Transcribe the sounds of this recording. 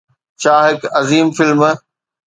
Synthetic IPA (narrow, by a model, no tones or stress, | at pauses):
t͡ɕʰaːɦɪkɐziːmfɪlm